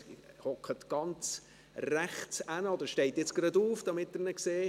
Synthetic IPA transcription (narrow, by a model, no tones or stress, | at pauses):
hɔkχətɡ̥ɑnt͡s | ræχsænəɔd̪əɾʃtɛɪtjɪt͡sɡ̥ɾɑduːfd̥ɑmɪtːəɾnəkseː